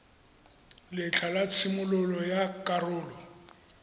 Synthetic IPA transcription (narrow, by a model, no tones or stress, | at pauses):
lɪt͡ɬʰalat͡sʰɪmʊlʊlɔjakʼarʊːlɔ